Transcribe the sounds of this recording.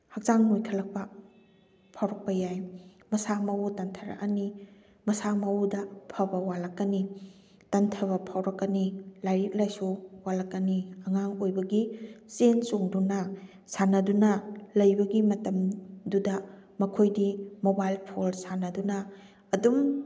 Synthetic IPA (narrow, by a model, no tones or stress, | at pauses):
hɐk̚t͡ʃaŋnojkʰɐlɐk̚pɐ | pʰawɾɐk̚pɐjaj | mɐsamɐwutɐntʰɐɾɐ̰kɐni | mɐsamawudɐpʰɐbɐwalɐkːɐni | tɐntʰɐβɐpʰawɾɐkːɐnilajɾit̚lajsuwalɐkːɐniɐŋaŋojbɐɡisensoŋdunɐ | sanɐdunɐlɐjbɐɡimɐtɐmdudɐmɐkʰojdimobajlpʰolsanɐdunɐ | ɐdum